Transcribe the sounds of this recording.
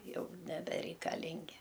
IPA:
ˈjɛʊ nʲɛbʲɛrʲɛɪkɐˈlʲɪŋʲɡʲɪ

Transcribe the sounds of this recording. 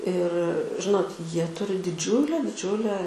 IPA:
ɪr ˈʒʲɪnoːt ˈjiɛ ˈtʊrʲɪ dʲɪˈd͡ʒʲʊlʲæː dʲɪˈd͡ʒʲʊlʲæː

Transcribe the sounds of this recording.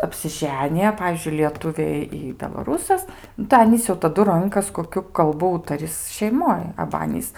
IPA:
ɐpʲsʲɪˈʒʲæːnʲɪjɛ ˈpɑːʋʲiːzʲd͡ʒʲʊɪ lʲiɛˈtʊʋʲeː ɪ bʲɛlˠɐˈruːsɐs nʊ tɐɪ ˈɑːnʲiːs jɛʊ tɐˈdʊ ˈrʊŋkɐs koːˈkʲʊ kɐlˠˈbʊ ˈuːtɐrʲɪs ʃʲɛɪˈmoːj ɐbɐ ˈɑːnʲiːs

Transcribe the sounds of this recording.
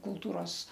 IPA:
kʊlˠˈtuːroːs

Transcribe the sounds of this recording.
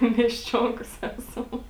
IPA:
mʲiɛsʲˈt͡ʃʲoːŋkoːs ˈæːsɐm

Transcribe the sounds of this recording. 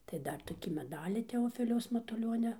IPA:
tɐɪ ˈdɐr toːˈkʲiː mʲɛˈdɑːlʲiː tʲɛoːˈfʲɪlʲɛʊs mɐtʊˈlʲoːnʲɛ

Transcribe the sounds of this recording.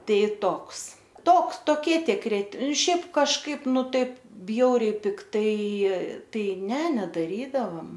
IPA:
ˈtɐɪ ˈtoːks ˈtoːks toːˈkʲiɛ tʲɪkˈrʲɪ ˈʃʲɛɪp kɐʃˈkɐɪp ˈnʊ ˈtɐɪp ˈbʲjɛʊrʲɛɪ pʲɪkˈtɐɪ ˈtɐɪ ˈnʲɛ nʲɛdɐˈrʲiːdɐʋɐm

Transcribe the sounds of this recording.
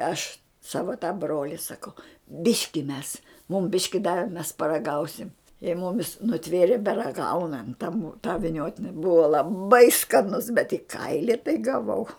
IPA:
ˈɐʃ ˈsɑːʋɐ tɐ ˈbroːlʲɪ sɐˈkɐʊ ˈbʲɪʃʲkʲɪ mʲɛs mʊm ˈbʲɪʃʲkʲɪ ˈdɑːʋʲɪ mʲɛs pɐrɐˈɡɐʊsʲɪm ɪ ˈmʊmʲɪs nʊˈtʲʋʲeːrʲeː bʲɛrɐˈɡɐʊnɐnt tɐ mʊ tɑː ʋʲɪˈnʲoːtʲɪnʲɪ ˈbʊɐ lˠɐˈbɐɪ skɐˈnʊs bʲɛt ɪ ˈkɐɪlʲɪ tɐɪ ɡɐˈʋɐʊ

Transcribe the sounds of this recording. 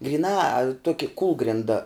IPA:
ɡrʲiːˈnɑː ˈtuɔkʲɪ ˈkuːlˠɡrʲɪndɐ

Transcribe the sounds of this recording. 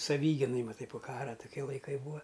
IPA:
sɐˈʋʲiːɡʲɪnɐɪ mɐˈtɐɪ poː ˈkɑːrɐ tʊˈkʲiɛ lˠɐɪˈkɐɪ ˈbuːɐ

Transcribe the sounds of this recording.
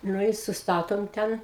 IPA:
ˈnʊ ɪ sʊsˈtɑːtoːm ˈtʲɛn

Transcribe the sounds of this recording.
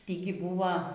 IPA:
ˈtʲiːɡʲɪ ˈbuːʋɐ

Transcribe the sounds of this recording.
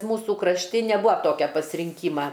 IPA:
ˈmuːsuː krɐʃʲˈtʲɪ nʲɛˈbuːɐ ˈtoːkʲɛ pɐsʲrʲɪŋʲˈkʲiːmɐ

